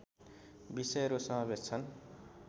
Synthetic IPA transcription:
bisʌjʌɾusʌmabest͡sʰʌn

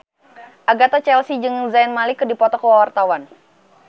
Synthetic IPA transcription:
ʔaɡat̪at͡ʃɛlsid͡ʒɨŋzainmalikədipɔt̪ɔkəwawart̪awan

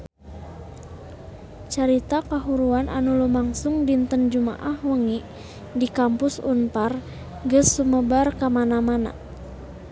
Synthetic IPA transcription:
t͡ʃaɾit̪akaɦuɾuanʔa̰nulumaŋsʊŋdint̪ənd͡ʒuma̰ʔahwəŋiʔ | dikampʊsṵnpar | ɡəsːuməbarkamanamana̰

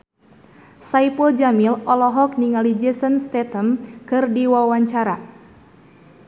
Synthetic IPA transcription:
saipəld͡ʒamilɔlɔɦɔk̚niŋalid͡ʒɛsənst̪ɛt̪əmkɨrdiwawaɲt͡ʃaɾa

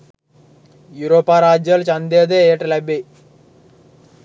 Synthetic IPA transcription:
juɾoːpːaːɾaːd͡ʒjɐlt͡ʃɐnd̪eːd̪eeːʈɐlɐbi

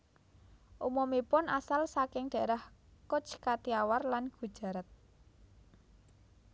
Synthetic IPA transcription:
ʔumɔmipʊnasalsakɪŋɖ̥a̤eɾahkʊt͡ʃkat̪iawarlanɡ̥ṳd̥ʒ̥a̤ɾət̪̚

